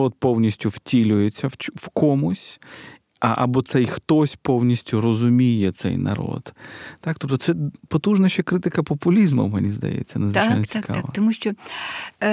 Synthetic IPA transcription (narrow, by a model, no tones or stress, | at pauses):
ɔt̪̚pɔwnʲisʲtʲʊwtʲilʲʊjet͡sʲːɐwt͡ʃwkɔmʊsʲ | ɐʔɐ̰bɔt̪sɛjxt̪ɔsʲpownʲisʲtʲʊrɔzʊmʲijɛt̪sɛ̰jnɐ̰ɾo̰d̪t̪ak̚t̪ɔp̚t̪ɔtsɛpɔt̪uʒnɐʃt͡ʃɐkɾɪt̪ɪkɐpɔpʊlʲizmɐ̰menʲizd̪ɐ̰jɛ̰t͡sʲːɐ̰nɐzʋɪt͡ʃajnɐt͡sʲikaʋɐt̪ɐmuʃt͡ʃɔ